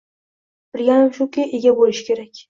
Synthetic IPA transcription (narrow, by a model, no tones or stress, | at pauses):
b̥ɪɾɡʲanɪmʃʊkʲɪʔe̞ɡʲabolɪʃɪ̥kʲʰe̞ɾakʲ